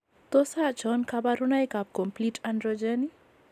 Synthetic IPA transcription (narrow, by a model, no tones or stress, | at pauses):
t̪osat͡ʃɔnkabaɾunajkap̚komplitandɾod͡ʒɛni